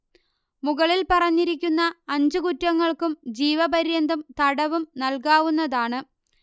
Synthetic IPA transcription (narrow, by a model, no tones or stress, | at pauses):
muɣɐɭilpɐrɐɲːiɾikʲːunːɐːɲd͡ʑukutːɐŋːɐɭkumd͡ʑiːʋɐbɐɾjɐnd̪ʱɐmt̪ɐɽɐʋumnɐlkaːʋunːɐðaːɳɨ